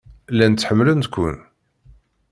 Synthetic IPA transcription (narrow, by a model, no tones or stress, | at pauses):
lænt͡sːħəmːlənt̪kʷːʊ̰n